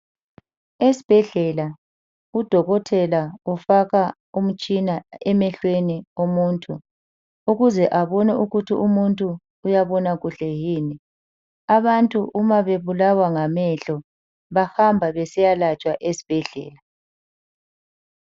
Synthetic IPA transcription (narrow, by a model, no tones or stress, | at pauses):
esi̥b̥ʱɛɮɛla | ud̥ʱɔɣɔtʰɛlaufaɣa | um̩t͡ʃʼinaɛmɛɬweniomuːntʼʰu | uɣuzɛʔaβɔnɛʔuɣutʰiʔumuntʼuː | jaβɔnaɣuɬɛjiːni | aβantʼuʔumaβeβulawaŋamɛɬɔ | βahambʱaβɛsɛjalat͡ʃʼwaʔesi̥b̥ʱɛɮɛ̰ːla